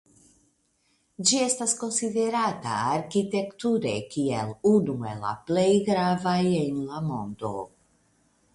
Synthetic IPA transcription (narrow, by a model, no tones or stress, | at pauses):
d͡ʒiest̪asko̞nsid̪e̞ɾat̪a̰ːɾkit̪e̞kt̪uɾḛkielunuela̰plejɡɾavajenlamond̪o̰